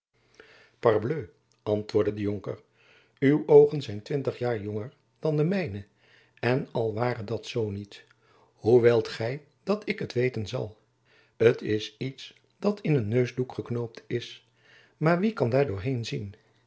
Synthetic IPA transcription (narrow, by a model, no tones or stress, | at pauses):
pɑɹbløː | ɑntʋʊːɹdədəjoŋkə̰r | ywowχənzɛjntʋɪntəχjaːɹjɔŋəɹ | d̥ɑndəmɛjnə | ɛnɑlˠʋaːrədɑtsownit | huʋelˠtχɛj | d̥ɑtʰɪkətʋejtənzɑ̰lˠ | ətʰɪsits | d̥ɑtʰɪnənːøɥzdukχəknowp̚tɪs | maːɹʋikɑndaːɹdʊːɹɦejnzin